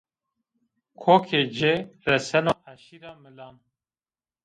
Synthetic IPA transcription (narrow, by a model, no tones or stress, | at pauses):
kʰoːkʰeːd͡ʒerɛsɛnohæʃiːɾɑːmɨlɑːn